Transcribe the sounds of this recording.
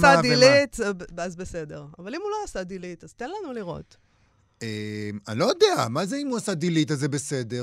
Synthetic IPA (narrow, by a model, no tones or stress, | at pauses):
sad̪ilitazbese̞de̞ʁavalimuloasadilitaz̥t̪enlanuliʁo̞̰t | emanlojodeamazeimuasad̪ilitazebesedeʁ